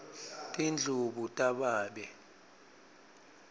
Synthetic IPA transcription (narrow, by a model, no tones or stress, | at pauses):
tʼind͡ɮʱuɓutʼaɓaːɓɛ